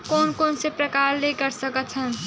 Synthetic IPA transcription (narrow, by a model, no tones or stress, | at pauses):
konkonsepɾʌkaɾleɡʌɾsʌkʌt̪t͡sʰʌn